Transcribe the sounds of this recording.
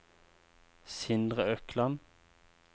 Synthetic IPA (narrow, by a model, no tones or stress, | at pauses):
sɪnd̪ʁəœklɑn